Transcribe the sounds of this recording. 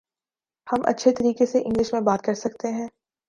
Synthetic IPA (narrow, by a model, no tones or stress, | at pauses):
hɐmʔɐ̰tːʃʰet̪ɐɾiːkeseʔɪ̃ŋɡlɪʃmẽbaːt̪̚kɐɾsɐkt̪eɦɛ̃ː